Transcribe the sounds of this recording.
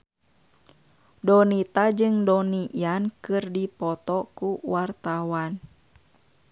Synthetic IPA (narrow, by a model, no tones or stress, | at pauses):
dɔnit̪ad͡ʒɨŋdɔniʔjankɨrdipɔt̪ɔkuwart̪awan